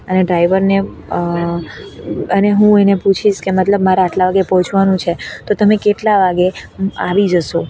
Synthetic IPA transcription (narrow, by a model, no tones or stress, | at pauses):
əneɖɾaiʋəɾne | əneɦũeneput͡ʃʰiʃkemət̪ləbmaɾeaʈlaʋaɡepəɦɔt͡ʃʰʋanũt͡ʃʰet̪ot̪əmẽkeʈlaʋaɡeaʋid͡ʒəʃo